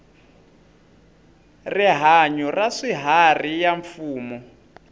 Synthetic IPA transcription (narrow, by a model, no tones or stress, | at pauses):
riɦaɲɔraʂiɦarijaɱfuːmɔ